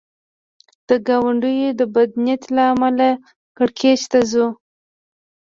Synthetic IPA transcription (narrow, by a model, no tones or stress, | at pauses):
d̪̥əɡawaɳɖəjod̪əbad̪njat̪laːmala | kaɽkʰet͡ʃt̪azu